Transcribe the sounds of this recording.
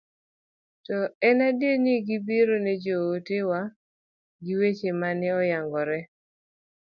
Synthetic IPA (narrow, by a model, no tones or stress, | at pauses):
tɔɛnadeniɡibiɾonɛd͡ʒootewa | ɡiwet͡ʃemanɪɔjaŋɡɔɾɛ